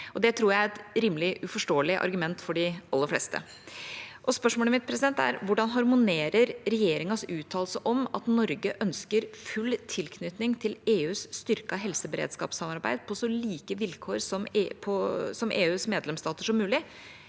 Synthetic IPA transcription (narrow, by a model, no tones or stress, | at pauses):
ʔɔd̪ɛt̪ʰɾuːjæɪæɾɛt̪ɾiːmlɪʔʉfɔʂʈoːəlɪʔɑ̰ɾɡʉmɛnt̪fɔɖɪʔɑlːəɾflɛst̪ə̰ | ʔɔspœʂmoːləmɪt̪̚pʰɾɛsɪd̪ɛnt̪æ̰ɾʋʊɖɑnɦɑɾmʊneːɾəɾɾɛjeːɾɪŋɑsʉːt̪ʰːɑːlsəʔɔmɑt̪nɔɾɡəʔœnskəɾfʉlːt̪ʰɪlkʰnʏt̪nɪŋt̪ʰɪleːʉːsst̪ʏɾkɑɦɛlsəbəɾḛd̪skɑ̰ːpsɑmɑɾbæ̰ɪd̪pʰɔsɔliːkəʋɪlkʰoːɾsɔmpʰɔsɔmʔḛːʉːsmeːd̪lɛmst̪ɑːt̪əʂɔmːʉːlɪ